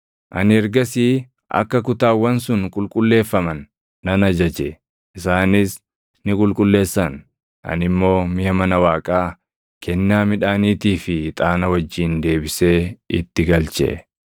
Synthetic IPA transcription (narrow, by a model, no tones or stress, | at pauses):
ʔɐ̰nɪɛɾɡɐsiː | ʔɐ̰kːɐkʊt̪aːwːɐnsʊnkʼʊlkʼʊlːe̞ːfːɐmɐnː | ɐnɐd͡ʒɐd͡ʒɛ | ʔɪsaːnɪs | nɪkʼʊlkʼʊlːe̞ːsːɐn | ʔɐ̰nɪmːo̞ːmɪjɐmɐnɐwaːkʼaː | kʰɛnːaːmɪᶑaːniːt̪iːfɪt̪ʼaːnɐwɐd͡ʒːiːnd̪e̞ːbɪse̞ːɪ̰t̪ːɪɡɐlt͡ʃʼɛ̰ʔ